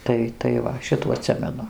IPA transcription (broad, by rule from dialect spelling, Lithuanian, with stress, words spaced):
ˈtɐɪ tɐɪ ˈʋɐ ˈʃʲɪtuː ɐˈtʲsʲɪmʲɛnʊ